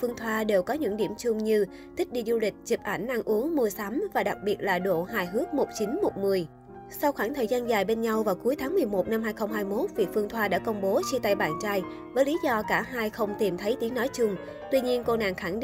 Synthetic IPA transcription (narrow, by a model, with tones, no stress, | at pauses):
fɨ˧əŋt̪ʰwaː˧ɗe˨˩wkɔ˨˦ɲɨ̰˧˥ŋɗi˧˩əmt͡ɕʊ˧ŋ͡mɲɨ˧ | t̪ʰï˦˥k̚ɗi˧zu˧lï˨˩k̟̚zɨ˨˩p̚ʔa˧˩jŋ̟ʔa˧nʔu˨˦əŋmu˧əsa˨˦mvaː˨˩ɗa˨˩k̚ɓi˨˩ət̚laː˨˩ɗo̰˧˩ɦaː˧˩jɦɨ˨˦˥ək̚mo˨˩t̚t͡ɕi˨˦nmo˨˩t̚mɨ˨˩əj | sa˧wxwaː˧˩ŋt̪ʰəː˨˩jzaː˧nzaː˨˩jɓe˧nɲa˧wvaː˨˩wku˨˦əjt̪ʰaː˨˦ŋmɨ˨˩əjmo˨˩t̚na˧mhaː˧jxə˧wŋ͡mhaː˧jmo˦˥t̚vḭ˧˨fɨ˧əŋt̪ʰwaː˧ɗa̰ː˧˥kə˧wŋ͡mɓo˨˦t͡ɕi˧t̪a˧jɓaː˧˩nt͡ɕaː˧j | vəː˨˦jli˨˦zɔ˧kaː˧˩ɦaː˧jxə˧wŋ͡mt̪i˨˩mt̪ʰə˨˦jt̪i˨˦əŋnɔ˨˦jt͡ɕʊ˧ŋ͡m | t̪wi˧ɲi˧ənko˧na̰ː˧˨˩ŋxa˧˩ŋɗ